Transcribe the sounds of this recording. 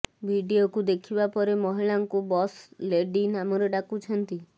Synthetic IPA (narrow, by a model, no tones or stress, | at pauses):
bʱiɖiokud̪ekʰibapɔɾemɔɦiɭaŋkubɔsleɖinamɔɾeɖakut͡ʃʰɔnt̪i